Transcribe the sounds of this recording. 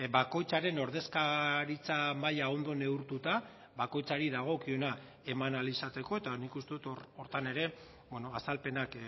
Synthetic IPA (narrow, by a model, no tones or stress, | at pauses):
bako̞jt͡saɾe̞no̞ɾðe̞skaɾit͡samajao̞nd̪o̞ne̞uɾt̪ut̪a | βako̞jt͡saɾiðaɣ̞o̞kio̞na | e̞manalisat͡s̪e̞ko̞e̞t̪anikust̪e̞ðut̪oro̞ɾt̪ane̞ɾe̞ | bweno̞asalpe̞nak